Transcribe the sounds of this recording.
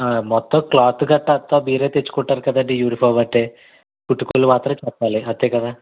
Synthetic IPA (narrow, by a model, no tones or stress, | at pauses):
amɔt̪ːɐmkɭaːt̪uɡɐʈːɐɐt̪ːoːbiːɾeːt̪et͡ʃːu̥kuɳʈːaːɾkɐd̪ɐɳɖijuːɾipʰɐʋɐʈːeː | puʈːukuluʋaːt̪ɾɐt͡ʃɛpːaːliɐt̪ːeːkɐd̪aː